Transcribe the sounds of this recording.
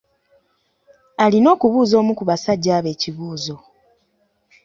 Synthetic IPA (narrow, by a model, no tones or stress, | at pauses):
alino̞ːkuβuːzo̞ːmukuβasaɟːaːβe̞ːciβuːzo̞